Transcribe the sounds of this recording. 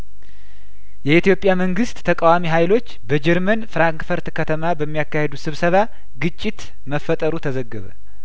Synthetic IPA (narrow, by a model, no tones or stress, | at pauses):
jɛit̪ijo̞pʼjaməŋɡɨst̪ːʰəkʼawamiɦajlo̞t͡ʃːbəd͡ʒɛɾmənfɾaŋkfəɾt̪kʰət̪ʰəmabəmːijakːahe̞d̪usɨβsəβa | ɡɨt͡ʃʼːit̪ | məfːət̪ʼəɾut̪ʰəzəɡːəβə̰